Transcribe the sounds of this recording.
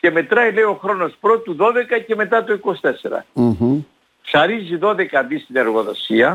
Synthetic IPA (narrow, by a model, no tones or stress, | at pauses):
ce̞me̞t̪ɾɐile̞io̞xɾo̞no̞spɾo̞t̪uðo̞ðe̞kɐce̞me̞t̪ɐt̪oiko̞si̥t̪e̞se̞ɾɐ̰ | sɐɾiziðo̞ðe̞kɐðist̪ine̞ɾɣo̞ðo̞siɐ